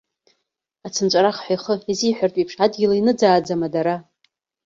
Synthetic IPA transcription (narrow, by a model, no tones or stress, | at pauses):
at͡sʰɨnt͡ʃʷʼaɾaχħʷajχəiziħʷᶣartʼipʰʂadɡʲilainɨd͡zaːd͡zamadaɾa